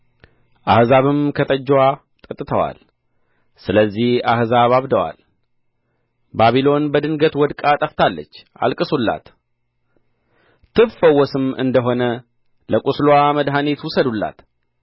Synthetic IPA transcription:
ʔahzaβɨmkʰət̪ʼəd͡ʒːwa | t̪ʼət̪ʼːɨt̪ʰəwa̰l | sɨləzːihahzaβaβd̪əwa̰l | baβilo̞nbəd̪ɨŋɡət̪wɔd̪kʼat̪ʼəft̪ʰalːə̰t͡ʃː | a̰lkʼɨsulːa̰t̪ | t̪ʰɨβfəwːɔsɨmɨ̰nd̪əɦo̞nə | ləkʼuslaməd̪ɦane̞t̪wʊsəd̪ulːa̰t̪

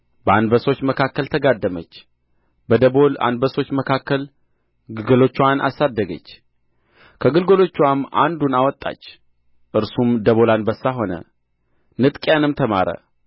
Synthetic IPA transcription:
bəanbəso̞t͡ʃːməkʰakːəlt̪ʰəɡad̪ːəmət͡ʃː | bəd̪əbo̞la̰nbəso̞t͡ʃːməkʰakːəl | ɡɨlɡəlo̞t͡ʃːwanʔa̰sad̪ːəɡə̰t͡ʃː | kʰəɡɨlɡəlo̞t͡ʃːwamːa̰nd̪unawɔt̪ʼːa̰t͡ʃː | ʔɨɾsumd̪əβo̞lanbəsːaɦo̞nə̰ | nɨt̪ʼkʼjanɨmt̪ʰəma̰ɾə̰

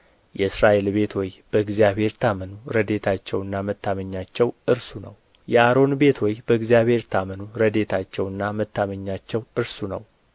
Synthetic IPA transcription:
jɛɨsɾaʔe̞lbe̞t̪ʰwɔjb̥əɨɡzijaβhe̞ɾt̪ʰamənuɾəd̪e̞t̪ʰat͡ʃːɛwɨnːamət̪ʰːaməɲːat͡ʃːɛwʔɨɾsunəw | jɛaɾo̞nbe̞t̪ʰwɔjbəɨɡzijaβhe̞ɾt̪ʰamənuɾəd̪e̞t̪ʰat͡ʃːɛwɨnːamət̪ːaməɲːat͡ʃːɛwɨɾsunəw

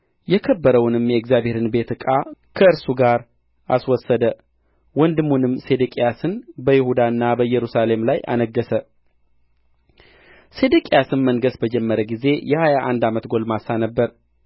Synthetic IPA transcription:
jɛkʰəbːəɾəwnɨmjɛɪkzjaβhe̞ɾɨnbe̞t̪ɨkʼakʰəɨɾsuɡaɾ | ʔa̰swɔsːəd̪ə | wɔnd̪ɨmːunɨmse̞d̪ɨkʼijasɨnbəjɪhud̪aɨnːabəjɛɾusale̞mlajʔa̰nəɡːəsə | se̞d̪ɨkʼijasɨnməŋɡəsbəd͡ʒɛmːəɾəɡize̞jɛhajaʔand̪amət̪ɡo̞lmasanəbːəɾ

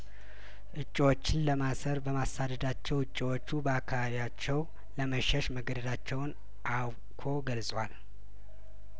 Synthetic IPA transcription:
ʔɨt͡ʃʼːiwot͡ʃːɪnləmasəɾbəmasad̪əd̪at͡ʃːɛwɨt͡ʃʼːiwot͡ʃːubəakʰːaβaβijat͡ʃːɛw | ləməʃɛʃməɡəd̪əd̪at͡ʃːɛwn | ʔaw | kʰo̞ɡəlsʼwal

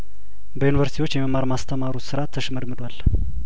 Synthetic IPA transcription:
bəjunivəɾsit̪iwot͡ʃːjɛməmːaɾmast̪ʰəmaɾut̪sɨɾat̪ʰːəʃɛməɾmɨd̪ʷal

